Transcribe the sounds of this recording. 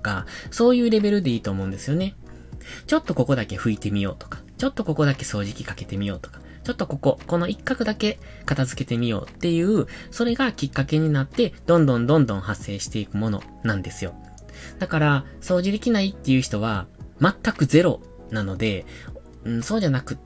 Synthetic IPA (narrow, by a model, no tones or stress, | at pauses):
t̪oka̰so̞ːjɯ̟ːɾe̞be̞ɾɯ̟d̪e̞iːt̪o̞ːmõ̞nd̪esɨjo̞ne̞ | t͡ɕo̞t̪ːo̞ko̞ko̞d̪ake̞ɸɯ̟it̪e̞mʲijo̞̰ːt̪o̞̥kḁt͡ɕo̞t̪ːo̞ko̞ko̞d̪ake̞so̞ːʑikʲi̥kake̞t̪e̞mʲijo̞̰ːt̪o̥kḁ | t͡ɕo̞t̪ːo̞ko̞ko̞ko̞no̞ʔikːakɯ̟d̪ake̞ | kat̪azɨke̞t̪e̞mʲijo̞̰ːt̪ːe̞jɯ̟ːso̞ɾe̞ɡakʲikːake̞ɲ̟inat̪ːe̞d̪̥õ̞nd̪õ̞nd̪õ̞nd̪õ̞hasːe̞ːɕi̥t̪e̞ikɯ̟mo̞no̞̰ | nãnd̪e̞sɨjo̞ | d̪̥akaɾa | so̞ːʑid̪e̞kʲinait̪ːe̞jɯ̟ːçi̥t̪o̞βamat̪ːakɯ̟ze̞ɾo̞̰ | nano̞d̪e̞ | ɯ̟̃so̞ːʑanakɯ̟